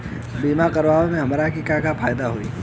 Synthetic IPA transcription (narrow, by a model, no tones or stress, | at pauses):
biːmakɐɾʋaːʋõmẽɦɐmɾakikakapʰaːjd̪aɦoiː